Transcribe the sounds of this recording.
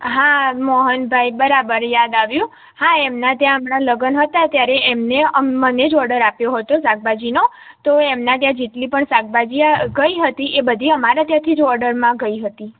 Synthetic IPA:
ɦamɔɦənbʱaibəɾabəɾjad̪aʋjũ | haɛmnat̪jãəmɳaləɡənɦət̪at̪jaɾeʔːmneəmːəned͡ʒɔɾɖəɾapjoɦət̪osak̚bad͡ʒino | t̪oemnãt̪jãd͡ʒeʈlipəɳsak̚bad͡ʒiaɡəiɦət̪iʔebəd̪ʱiəmaɾat̪jãt̪ʰid͡ʒɔɾɖəɾmãɡəiɦət̪i

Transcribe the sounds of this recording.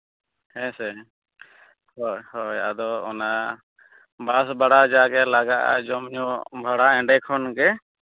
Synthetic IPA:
hɛsɛ | hɔjhɔja̰d̪ɔɔ̰na | basbaɽad͡ʒaɡɛlaɡaʔa̰d͡ʒɔmɲɔbʱaɽaɛɳɖɛkʰɔnɡɛ

